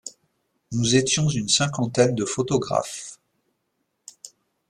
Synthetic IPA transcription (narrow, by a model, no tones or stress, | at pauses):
nuzet̪jɔ̃zynsɛ̃kɑ̃t̪ɛnd̪əfot̪ɔɡʁa̰f